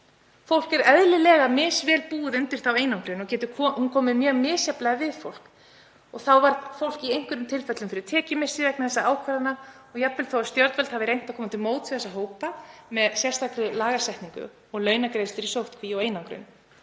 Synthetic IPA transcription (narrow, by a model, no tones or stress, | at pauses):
fowl̥kɛɾɛðlɪlɛːɣamɪsvɛːlpuːðʏnt̪ɪɾ̥t̪aweːjnawŋkɾʏnɔɣcɛːt̪ʏkʰhunkʰɔːmɪmjœːɣmɪːsjaplaɣavɪðfowl̥k | ɔɣθawvaɾðfowl̥ciejŋ̥kʏɾʏmt̪ʰɪlfɛt̪lʏmfɪɾɪɾ̥t̪ʰɛːcɪmɪsɪvɛjknaθɛsːaaːwkʰvaɾðana | ɔɣjapvɪlθowast̪jœɾt̪vɛlt̪havɪɾejn̥t̪awkʰɔːmat̪ʰɪlmoːwt̪ʰiθɛsaɦoːwpamɛðsjɛr̥st̪ʰakɾɪlaːɣasɛht̪niŋkʏ̰ | ɔɣlœːɥnakɾeːjst̪ɪɾisowht̪kʰviɔwejnawŋkɾʏ̰n